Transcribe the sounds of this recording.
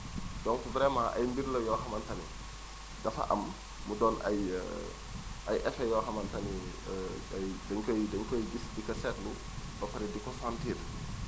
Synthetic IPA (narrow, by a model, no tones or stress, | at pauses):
dɔŋkubɾɛːmaʔɐ̰jmbiɾlɐjɔɦɐmɐntɐni | dɐfɐ̰ʔɐ̰mː | udɔːnɐ̰j̰ | ʔɐjʔɛfɛjɔɦɐmɐntɐni | ajdɐɲkɔjdɐɲkɔjɡisdikɐsɛtlu | bɐfɐɾɛdikɔfantiːt